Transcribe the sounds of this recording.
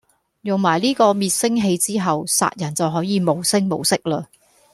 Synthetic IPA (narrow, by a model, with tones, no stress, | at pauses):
jʊ˨ŋmaː˨˩jliː˥kɔː˧miː˨t̚sɪ˥ŋɦe˧jt͡siː˥ɦɐ˨wsa̰ː˧t̚jɐ˨˩nt͡sɐ˨wɦɔː˨˥jiː˨˧mo˨wsɪ˥ŋmo˨wsɪ˥k̚laː˧